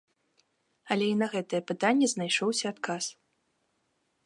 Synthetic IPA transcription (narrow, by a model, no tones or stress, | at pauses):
ɐlʲɛinɐɣɛt̪ɐjɛpɨt̪anʲːɛznajʂɔwsʲɐːt̪kʰas